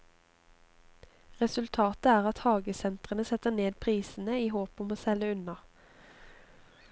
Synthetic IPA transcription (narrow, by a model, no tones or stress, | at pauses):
ʁɛsʉlt̪ʰɑːt̪əæːʁɑt̪hɑːɡəsɛnt̪ʁənəsɛt̪əneːd̪̚pʰʁiːsn̩əiːhoːpɔmoːsɛləʉnɑ